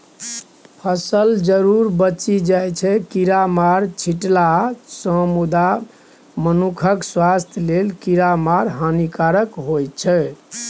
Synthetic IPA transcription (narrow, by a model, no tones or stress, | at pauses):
pʰəsəld͡ʒəɾuɾbət͡ʃid͡ʒajt͡ʃʰɛkiɾamaɾt͡ʃʰiʈlasə̃mud̪a | mənukʰəkswast̪ʰjlelkiɾamaɾɦanikaɾəkɦojt͡ʃʰɛ